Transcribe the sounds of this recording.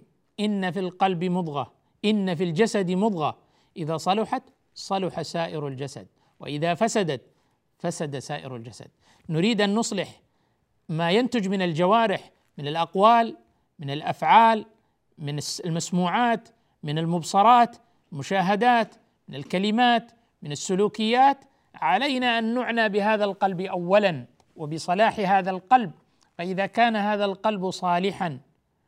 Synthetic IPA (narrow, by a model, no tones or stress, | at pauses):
ʔɪnːafilqɑlbmʊd̪ˤɣɑ | ʔɪnːafild͡ʒasad̪mʊd̪ˤɣɑ | ʔɪðasˤɑlʊħat̪ | sˤɑlʊħasaːʔɪɾald͡ʒasa̰d̪̚ | wɪ̰ʔɪðafasad̪at̪ | fasad̪asaːʔɪ̰ɾa̰ld͡ʒasa̰d̪̥̚ | nʊɾiːd̪ʔanːʊsˤlɪħ | majant̪ʊd͡ʒmɪnɪld͡ʒawaːɾɪħ | mɪnɪlʔɑqwaːl | mɪnɪlʔafʕaːl | mɪnslmasmuːʕaːt̪ | mɪnɪlmʊbsɑɾˤɑːt̪ | mʊʃaːɦad̪aːt̪ | mɪnɪlkalɪmaːt̪ | mɪnɪsːʊluːkɪjːaːt̪ | ʕalajnaʔanːʊʕnabɪhaːðalqɑlbʔawːalan | wɪbɪsˤɑlaːħɦaːðalqɑlb̚ | faʔɪðakaːnhaːðalqɑlbsˤɑːlɪħan